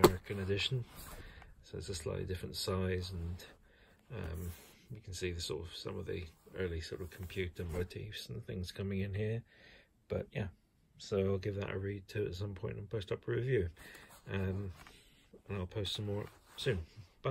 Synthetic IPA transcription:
ɛɹɨkɨ̃nɨdɪʃn̩ | soʊðɪzəslaɪʔlḭdɪfɹə̃ntsaɪzə̃n | ʌ̰̃m | jɨkʰn̩siðɨsɔ̰ɾəv̥sʌ̰̃mʌvðḭɜ˞lˠisɔ̰ɹɾʌv̥kʰm̩pʰj̥ʉɾə˞moʊtʰifsn̩əθɪ̰̃ŋz̥kʰʌ̃mɪ̃ŋɨ̃nɦiɹ | b̥ʌ̰ʔjæ | soʊaɪlˠɡɪvðə̰ɾɨ̰ɹid̚tʰɨə̰tsʌ̃mpʰɔ̃ɪ̃ntn̩pʰoʊstʌpʰjəɹɪvjʉ | ʌ̃m | ə̃naɪlˠpʰoʊstsʌ̃mɔɹ | sʉ̃nb̥ʌ

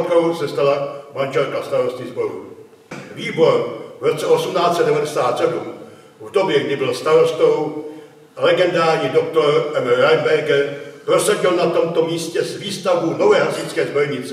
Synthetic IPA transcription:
ko̞wsɛst̪alamanʒɛlkast̪aɾost̪izboɾṵ | viːbo̞ɾvɾot̪t͡sɛʔo̞sumnaːt͡sɛdɛvadɛsaːt̪sɛdum | vdo̞bjɛɡdɪbɪlst̪aɾost̪ow | lɛɡɛndaːɾɲidokt̪oɾɛmɾajbɛɾɡɛɾpɾosaɟɪlnat̪o̞mt̪o̞miːscɛzviːst̪avbunovɛːɦasɪt͡skɛːzboɾɲɪt͡sɛ

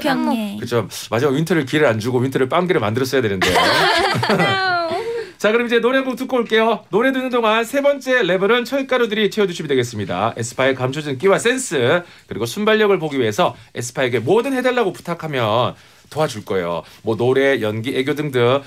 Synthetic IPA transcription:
kɯt͡ɕʰo | mad͡ʑimawintʰʌɾɯɭkiɾɯɾand͡ʑuɡowintʰɯɾɯɭp͈aŋɡeɾɯɭmandɯɾʌs͈ʌjadwenɯnde̞o | t͡ɕakɯɾʌmid͡ʑe̞noɾeŋɡoktuk͈oɭk͈e̞jonoɾe̞dɯnɯndoŋansʰe̞bʌnt͡ɕ͈e̞le̞bɯɾɯnt͡ɕʰʌɭk͈aɾodɯɾit͡ɕʰe̞ʌduɕʰimidwe̞ɡes͈ɯmɲida̰e̞sʰɯ̥pʰaekamt͡ɕʰod͡ʑɯnk͈iwas͈e̞ns͈ʰɯ | kɯɾiɡosʰumbaʎːʌɡɯɭpoɡiɥiɦe̞sʰʌe̞̰sʰɯ̥pʰaeɡe̞modɯnhe̞daɭːaɡopu̥tʰakʰamjʌn | toɦad͡ʑuɭk͈ʌe̞̰jo̰mwʌnoɾe̞jʌnɡieɡjodɯŋdɯ

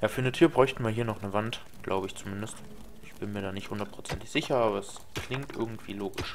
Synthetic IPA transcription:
jaːfyːɐnətʰyːɐbʁɔʏçtn̩viːɐɦiːɐnɔχnəvant | ɡ̥lʔa̰ʊbəɪçt͡sumɪndəst | ʔɪçb̥ɪnmiːɐɾaːnɪçthʊndɐtpʁ̥ot͡sɛntɪ̥çz̥ɪçɐaːbɐɛs | kʰl̥ɪŋtʔɪ̰ɐɡŋ̩tv̥ḭːloːɡɪʃ

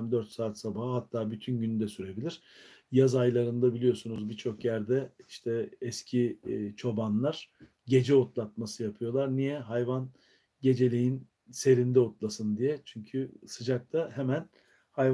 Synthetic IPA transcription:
md̪øɾt̪saːt̪sabahaɦat̪ʰːaːbyt̪ʰynɟynd̪ɛsyɾe̞bilʲiɾ̥jazajlˠaɾɯnd̪abilʲijo̞sunuzbit͡ʃʰo̞kjæɾd̪ɛiʃt̪ʰɛːscʰit͡ʃʰo̞banlˠaɾ̥ | ɟe̞d͡ʒɛot̪lˠat̪̚masɯjapʰɯjo̞lˠaɾnijɛɦajvan | ɟe̞d͡ʒe̞lʲijin | se̞ɾind̪ɛot̪lˠasɯnd̪ijɛt͡ʃʰyɲcʰysɯd͡ʒak̚t̪ʰahemæn | hajv

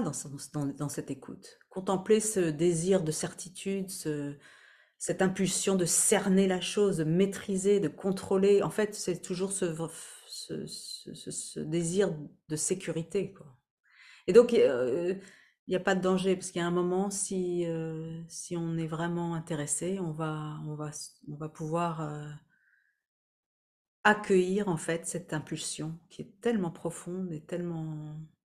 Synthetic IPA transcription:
ad̪ɑ̃sd̪ɑ̃d̪ɑ̃sɛt̪ekʰṵt̪ | kɔ̃t̪ɑ̃plesəd̪eziʁd̪əsɛʁt̪ʰit̪ʰyd̪sə | sɛt̪ɛ̃pylsjɔ̃d̪əsɛʁnelaʃozd̪əmet̪χized̪əkɔ̃t̪χoleɑ̰̃fɛt̪sɛt̪ʰuʒuʁsəvsə̰ə̰səsə̰d̪eziʁd̪əsekʲyʁit̪ekwa | ed̪ɔ̃k | iljapad̪əd̪ɑ̃ʒepasəkjaɛ̃mɔmɑ̃siøsiɔ̃nɛvʁɛmɑ̃ɛ̃t̪eʁeseɔ̃vaɔ̃vasɔ̃vapuvwaʁø | akʲəjiʁɑ̃fɛt̪sɛt̪ɛ̃pylsjɔ̃kʲʰiɛt̪ɛlmɑ̃pχɔfɔ̃d̪et̪ɛlmɑ̃

